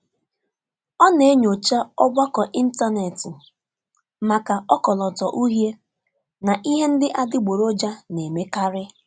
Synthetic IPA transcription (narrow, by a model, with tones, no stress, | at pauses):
ɔ˦ne˨˦ɲo˨t͡ʃa˦ɔ˦ɡ͡bʷa˦kɔ˨ʔi˦n̩˦ta˦ne˨tɪ˨ | ma˨ka˨ɔ˦kɔ˨lɔ˨tɔ˨ʔu˦ɦje˦ | na˨ʔi˦ɦe˦n̩˦dɪ˦ʔa˦dɪ˦ɡ͡bo˨ɾo˦d͡ʒa˦ne˨me˦ka˦ɾɪ˦